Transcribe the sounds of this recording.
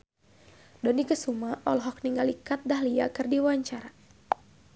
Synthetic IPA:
dɔnikəsumaʔɔlɦɔk̚niŋɡalikat̪̚daɦlia̰kɨrdiwaɲt͡ʃaɾa

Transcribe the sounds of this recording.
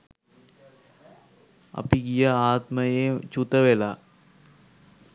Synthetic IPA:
ɐ̰piɡijəaːt̪məjet͡ʃut̪əʋela

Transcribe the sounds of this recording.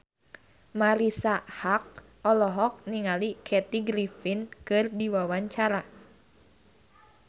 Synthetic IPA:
maɾisahak̚ | ɔlɔɦɔk̚niŋalikʰɛt̪iɡɾifinkɨrdiwawaɲt͡ʃaɾa

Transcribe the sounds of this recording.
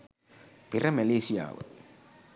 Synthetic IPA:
pɪrɐmɐleːsɪja̰ːʋɐ̰

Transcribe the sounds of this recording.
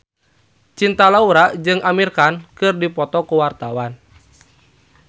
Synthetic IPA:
t͡ʃint̪alauɾaʔd͡ʒɨŋamirkankɨrdipɔt̪ɔkuwart̪awan

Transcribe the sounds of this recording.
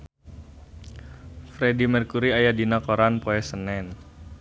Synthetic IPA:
fɾedimərkuɾiajadinakoɾanpoɛsənɛn

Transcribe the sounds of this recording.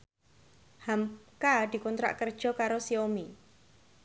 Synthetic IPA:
hamkad̪̥i̤kɔnt̪ɾa̰ʔkərd̥ʒ̥ɔ̤kaɾosiomi

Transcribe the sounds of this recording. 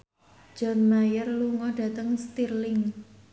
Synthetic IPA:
d͡ʒ̥ɔnmajərluŋɔɖä̤t̪əŋst̪irlɪŋ

